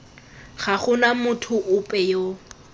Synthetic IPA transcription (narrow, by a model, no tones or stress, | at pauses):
χaχʊnamʊtʰʊʔʊpʼɛjo